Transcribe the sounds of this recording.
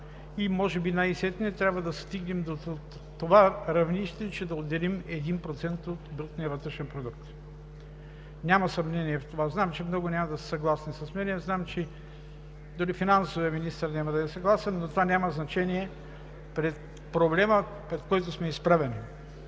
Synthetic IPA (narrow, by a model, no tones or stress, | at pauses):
imɔʒɛbinajsɛt̪nʲɛt̪ɾʲjabvɐd̪ɐst̪iɡnɛmd̪o | t̪ovaɾɐvniʃt̪ɛt͡ʃɛd̪ɐod̪ːɛlimɛd̪inpɾot̪sɛnt̪ot̪bɾət̪nijɐvət̪ɾɛʃɛnpɾod̪uk̚t̪ | nʲamɐsɐmnɛniɛft̪ovaznamt͡ʃɛmnɔɡʊnʲamɐd̪ɐsɛ̥sɐɡlˠasnisɐsmɛnɛznamt͡ʃɛ | d̪ʊɾifinansoviɐminist̪əɾnʲaməd̪ɐɛsɐɡlˠasɛnːot̪ovanʲamɐznɐt͡ʃɛniɛ | pɾɛt̪̚ | pɾoblɛmə | pɾɛt̪kɔjt̪osmɛispɾavɛni